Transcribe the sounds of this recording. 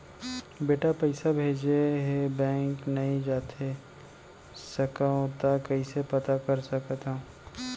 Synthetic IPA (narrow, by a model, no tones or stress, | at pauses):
beːʈapɐɪsabʱeːd͡ʒeɦebɛ̃ːŋknɐɦĩd͡ʒaːt̪e | sɐkaɦõt̪akɐisepɐt̪akɐɾsɐkt̪ã